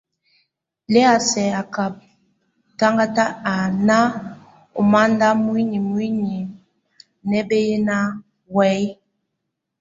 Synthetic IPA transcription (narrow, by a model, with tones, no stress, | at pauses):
lɛ˦a˨sɛ˨a˨ka˨p̚ | ta˦ŋɡa˦ta˦a˨na˦ | o˨ma˦nda˦mwi˦ɲi˨mwi˦ɲi˨ | nɛ˦be˦je˦na˦ | wɛ˨˦j